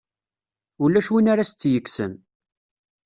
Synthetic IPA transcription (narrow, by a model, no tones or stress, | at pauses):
ulːæʃwinaɾast͡sːjəkːsə̰n